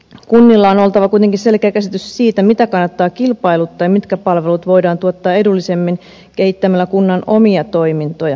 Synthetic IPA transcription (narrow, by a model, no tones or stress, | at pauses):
kunːilːɑono̞lt̪ɑʋɑkuit̪eŋkinse̞lkeækæsit̪yssiːt̪æmit̪ækɑnːɑt̪ːɑːkilpɑilut̪ːɑjmit̪kæpɑlʋe̞lut̪ʋo̞jdɑːnt̪uot̪ːɑːe̞dulːisemːin | ke̞hit̪ːæmælːækunːɑno̞miɑt̪o̞jmint̪o̞jɑ